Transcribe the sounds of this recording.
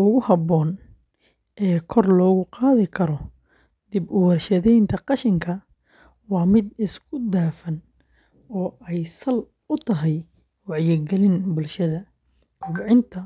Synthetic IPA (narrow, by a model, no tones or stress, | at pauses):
ɔɣʊhɐbɔːn | ʔɛːkʰɔrlɔːɣʊqɑːðɪkʰɐɾɔ | d̪̥ɪbʊwɐrʃɐðɛjnt̪ʰɐqɑʃɪŋkʰɐ | wɑːmɪd̪ɪskʰʊd̪aːfɐn | ɔːɛjsɐl | ʊt̪ʰɐɦɛj | wɑʕjɪɡɛlɪnbʊlʃɐðɐ | kʰʊːʕɪnt̪ʰɐ